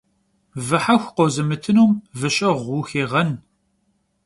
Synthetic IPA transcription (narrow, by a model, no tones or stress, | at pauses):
vɨħaxʷqɔzɨmɨtʰɨnuːmvɨɕʼɐʁʷuːxeːʁɐn